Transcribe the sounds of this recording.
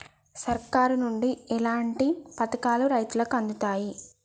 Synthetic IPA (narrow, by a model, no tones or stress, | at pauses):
sɐɾkaːɾunuɳɖiɛlaːɳʈipɐt̪ɐkaːluɾɐjt̪ulɐkɐnd̪ut̪aːji